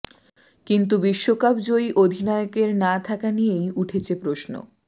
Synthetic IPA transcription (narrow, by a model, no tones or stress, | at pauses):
kint̪̬ubiʃːokapd͡ʑoiʔod̪ʱinɔeokeɾnat̪ʰakanijejuʈʰet͡ɕʰepɾoʃno̰